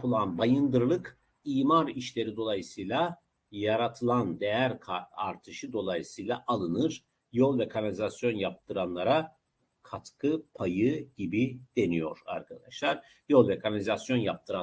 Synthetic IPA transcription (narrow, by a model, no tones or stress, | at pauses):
pɯlˠanbajɯnd̪ɯɾlˠɯk | iːmaɾiʃlʲe̞ɾid̪o̞lˠajɯsɯjlˠa | jaɾat̪ʰɯlˠand̪e̞jæɾkʰaɾt̪ʰɯʃɯd̪o̞lˠajɯsɯjlˠaʔalˠɯnɯɾ̥ | jolˠvekʰanalʲizasjo̞njap̚t̪ʰɯɾanlˠaɾa | kʰat̪kʰɯpʰajɯɟibid̪̥e̞nijo̞̰ɾa̰ɾkʰad̪aʃlˠaɾ̥ | jo̞lˠvekʰanalʲizasjo̞njap̚t̪ʰɯɾa